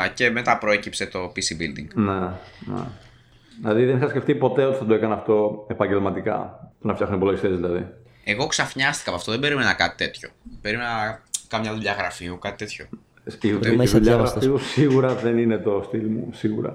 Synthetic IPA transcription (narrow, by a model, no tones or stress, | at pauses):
ce̞me̞t̪ɐpɾoecipse̞t̪o̞pisibild̪ḭŋɡnenḛ | ðilɐðiðenixɐsceft̪ipo̞t̪eo̞t̪i̥θɐt̪oekɐnɐft̪o̞epɐɲɟelmɐt̪ikɐ̰punɐft̪jɐxunipoloʝist̪e̞zðilɐðḭ | eɣo̞ksɐfɲɐst̪i̥kɐpɐft̪o̞ðe̞beɾimenɐkɐt̪i̥t̪e̞t̪ço̞b̥eɾimenɐkɐmɲɐðuʎɐɣɾɐfiukɐt̪i̥t̪e̞t̪ço̞ | siðuʎɐɣɾɐfiusiɣuɾɐðeninet̪o̞st̪ilmṵsiɣṵɾɐ̰